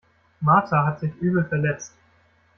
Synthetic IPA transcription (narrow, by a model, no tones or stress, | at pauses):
maɐtʰaɦatz̥ɪçʔyːbl̩fɛɐlɛt͡st